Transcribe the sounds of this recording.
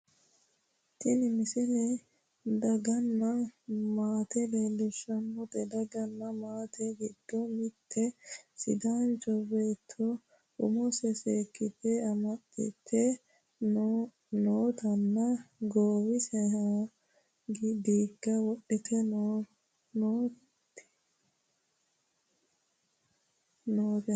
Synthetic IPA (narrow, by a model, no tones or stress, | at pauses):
t̪ɪnɪmɪsɪlɛ | d̪ɐɡɐnːɐmaːt̪ɛleːlːɪʃɐmːʊt̪ɛd̪ɐɡɐnːɐmaːt̪ʰɛɡɪd̪̥ːɔmɪt̪ʰːɛsɪ̰d̪aːnt͡ʃʼɔbeːt̪ʰːɔ | ʊmɔsɛseːkːɪt̪ːɛɐmɐtːɪ̰t̪ʰːɛ | noːt̪ɐnːɐɡoːwɪsɛha | ɡd̪iːkːɐwɔɗːɪt̪ʰɛ | nː | noːt̪